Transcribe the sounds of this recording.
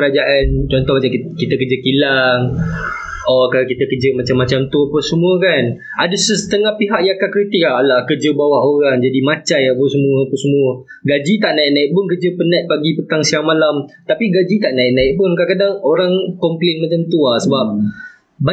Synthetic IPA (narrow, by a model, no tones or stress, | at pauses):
əɾad͡ʒaʔant͡ʃɔnt̪ɔhbad͡ʒakit̪əkərd͡ʒəkilaŋ | ɔkalakit̪əkəd͡ʒəmat͡ʃamːat͡ʃamt̪uapəsəmuəkan | adəsəsə̥t̪əŋahpiɦaʔjakakɾit̪ɪk̚aɦalakərd͡ʒəbawahoɾaŋd͡ʒadimat͡ʃajapəsəmuəapəsəmũə | ɡad͡ʒit̪aʔnaiʔ̚naɪʔ̚pʊnkərd͡ʒəpənat̪̚paɡipət̪aŋsiaŋmalamt̪apiɡad͡ʒit̪aʔnaɪʔ̚naɪʔpʊnkaʔkadaŋoɾaŋkɔmplenmat͡ʃamt̪uahsəbap̚ | ba